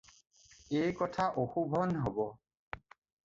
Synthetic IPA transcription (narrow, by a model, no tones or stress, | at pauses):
ejkɔtʰaʔoxubʱɔnɦɔbɔ